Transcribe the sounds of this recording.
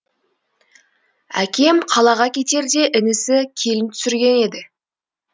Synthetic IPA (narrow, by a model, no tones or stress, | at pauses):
æ̰kʲe̞mqʰɑlˠɑʁɑkʲʰe̞t̪e̞ɾd̪e̞ʔɪnɪsɪkʲʰe̞lɪnt̪ʰʏ̥sɪɾɡʲe̞ne̞d̪ɪ